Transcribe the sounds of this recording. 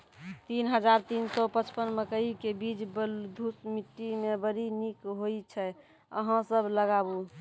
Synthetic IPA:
t̪inɦəd͡ʒaɾt̪insɔpət͡ʃpənməkəikebid͡ʒbəld̪ʱusmiʈːimebəɾinikɦoit͡ʃʰɛ | ə̰ɦãsəbləɡabu

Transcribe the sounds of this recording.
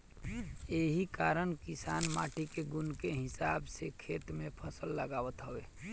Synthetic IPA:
eɦikaɾənkisanma̰ʈikeɡunkeɦɪsabsekʰet̪mẽpʰəsəlːəɡaʋət̪ɦəwe

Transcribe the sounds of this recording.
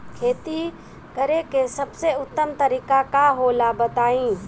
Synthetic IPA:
kʰeːt̪i | kəɾekesɐbseʊt̪ːəmt̪əɾiːkakaɦoːlabət̪aːĩː

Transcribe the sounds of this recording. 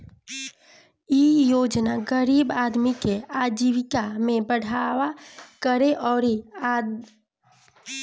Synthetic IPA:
ijoːd͡ʒnaɡəɾiːbaːd̪mikeaːd͡ʒiʋɪkamẽbəɽ̤awakəɾeʔɔːɾia

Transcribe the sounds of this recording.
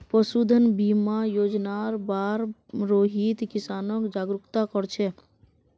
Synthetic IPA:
pəsud̪ʱənbimajod͡ʒnaɾbaɾɾoɦit̪kisanɔkd͡ʒaɡɾukt̪akɔɾt͡ʃʰɛ

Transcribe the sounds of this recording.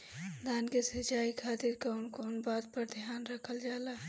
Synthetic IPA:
d̪aːnkesɐt͡ʃaːikʰaːt̪ɪɾkaʊnkonbaːd̪̚pəɾd̪ʱijaːnɾəkʰəld͡ʒaːlaː

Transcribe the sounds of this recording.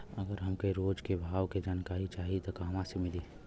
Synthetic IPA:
əɡəɾɦɐmkeɾoːd͡ʒkebʱaːʋked͡ʒaːnkaːɾit͡ʃaːɦit̪okaɦɐmãsemɪli

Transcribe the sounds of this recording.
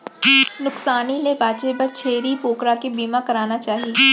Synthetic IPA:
nʊksaːnilebaːt͡ʃepɐɾt͡ʃʰeːɾipoːkɾakibiːmakɐɾaːnat͡ʃaːɦieː

